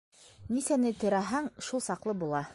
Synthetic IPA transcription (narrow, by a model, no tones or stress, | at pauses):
nisænɘt̪ɵ̆ɾæɦæŋʃulˠsɑqlˠɤbulˠɑ